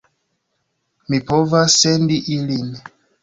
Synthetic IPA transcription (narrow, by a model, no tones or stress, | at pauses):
mipo̞vasːendiʔilin